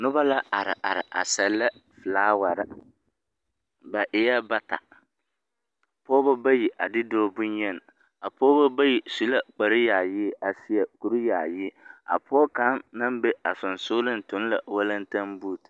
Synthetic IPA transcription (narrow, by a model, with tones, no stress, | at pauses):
nʊ˦ba˦la˦ʔa˨ɾɪ˨ʔa˨ɾɪ˨ʔa̰˨sɛ˨lːa˦fɨ˨laː˦wa˨ɾɪ˦ | ba˨ʔɪ˨˦ja˦ba˦ta̰˨ | pɔː˦ba˦ba˦ji˨ʔa˨dɪ˦dɔː˦bʊ˦ɲ˦ɛ˦n˨ | a˨pɔː˦ba˦ba˦ji˨su˨la˦k͡pa˨ɾɪ˦jaː˨jɪː˦a˨si˦ja˨ku˨ɾi˦jaː˨jɪ˦a̰˨pʰɔː˦ka˨˦mna˦m˦be˦a˨sʊ˨n˨sʊː˦lɪ˦n̩˨tʊ˨˦n˦la̰˨wa˦lɨ˦n˦ta˦mbu˦˨t